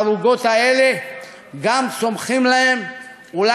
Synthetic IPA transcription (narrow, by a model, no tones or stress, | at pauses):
avuɡot̪aele | ɡamt͡somχimlaem | ula